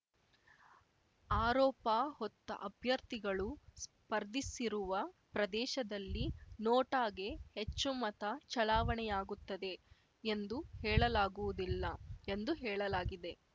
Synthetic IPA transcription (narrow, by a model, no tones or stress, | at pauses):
aːɾɔːpaːhɔt̪ːɐ̰ʔɐbʱjɐɾt̪iɡɐɭus | pɐɾd̪isiɾuʋɐpɾɐd̪ɛːʃɐd̪ɐlːinoːʈaːɡe̞het͡ʃːumɐt̪ɐt͡ʃɐlaːʋɐɳɛjaːɡut̪ːɐd̪e̞ | end̪uhɛːɭɐlaːɡuʋud̪ilːɐend̪uɦɛːɭɐlaːɡid̪e̞